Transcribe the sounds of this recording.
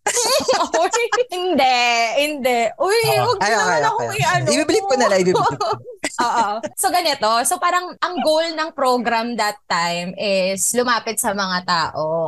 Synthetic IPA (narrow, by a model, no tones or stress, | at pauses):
ojhɪnd̪ɛʔhɪnd̪ɛʔʔojwɐɡ̚ɐjoɐanɐkoɪʔanibiːbɪlɪt̪̚pʊnɐlɐibiːbɪʔoːʔoso̞ɡɐnɛt̪o̞sopaːɾɐŋʔɐŋɡowlnɐŋpɾoɡɾɐmd̪ɐt̪ːajmɪslʊmaːpɪt̪̚sɐmɐŋat̪aːʔo